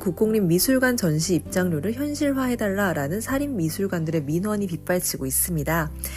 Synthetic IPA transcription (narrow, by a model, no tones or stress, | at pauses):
kuk͈oŋɲimːisʰuɭɡwant͡ɕʌnɕʰiːp̚t͡ɕ͈aŋɾjoɾɯɭçjʌnɕʰiɭɦwaɦe̞daɭːaɾanɯnsʰaɾimːisʰuɭɡwandɯɾe̞minwʌɲipip͈aɭt͡ɕʰiɡois͈ɯmɲida